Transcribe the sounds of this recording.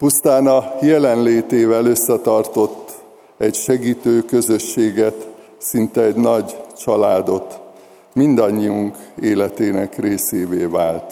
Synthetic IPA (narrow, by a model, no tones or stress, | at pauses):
pust̪aːnɒjɛlɛnleːt̪eːvɛlø̞sːɛt̪ɒrt̪o̞t̪ː | ɛɟʃɛɡiːt̪øːkø̞zø̞ʃːeːɡɛt̪ | sint̪ɛːɟnɒɟt͡ʃɒlaːd̪o̞t̪ | mind̪ɒɲːiuŋkeːlɛt̪eːnɛkreːseːveːvaːlt̪